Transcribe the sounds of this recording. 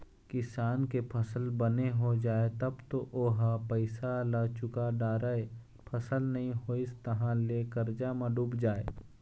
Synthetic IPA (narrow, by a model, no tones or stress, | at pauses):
kɪsaːnkepʰəsəlbəneɦod͡ʒaːet̪ɐbt̪oʔoːɦapəɪsalat͡ʃʊkaɖaːɾae | pʰɐsəlnɐɦĩɦoːɪst̪ɐɦãleːkəɾd͡ʒamãɖuːbd͡ʒaːḛː